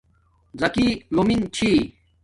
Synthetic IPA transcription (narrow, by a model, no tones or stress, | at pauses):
zɐkiːlomint͡ɕʰiː